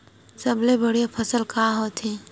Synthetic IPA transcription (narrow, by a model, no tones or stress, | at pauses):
sɐblebɐɽ̤ijapʰəsəlkaɦoːt̪ʰiː